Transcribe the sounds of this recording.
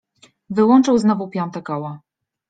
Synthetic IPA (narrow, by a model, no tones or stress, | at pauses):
vɘwɔnt͡ʂɘwznɔvupʲjɔnt̪akɔwa